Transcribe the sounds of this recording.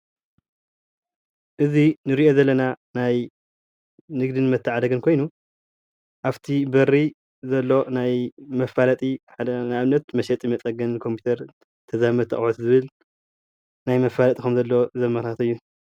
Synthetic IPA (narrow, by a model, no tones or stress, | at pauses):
ʔɨzinɨɾiʔo̞zɐlːɐnanaj | nɨɡd̪ɨnɨmɐt̪ʰːaʕad̪ɐɡɨnkʰo̞jnu | ʔaft̪ʰibɐrːi | zɐlːo̞najmɐfalɐt̪ʼiħad̪ɐnɨaβnːɐt̪mɐʃɛt̪ʼimɐt͡sʼɐɡɐnkʰo̞mpʰi̥t̪ʰɐɾ | t̪ʰɐzamɐd̪t̪ʰːɨʔʼħot̪zɨβɨl | najmɐfːalɐt̪ʼikʰɐmzɐlːo̞zɐmɐɾat̪ʰɨjːu